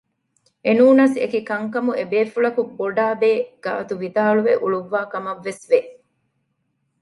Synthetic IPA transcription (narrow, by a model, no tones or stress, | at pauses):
ʔenuːnasḛkikɐŋkɐmuebeːfuɭɐkubːoɖaːbeːɡ̥a̰ːt̪uʋid̪aːɭuʋeʔuɭuʋːaːkɐmɐʋːesʋe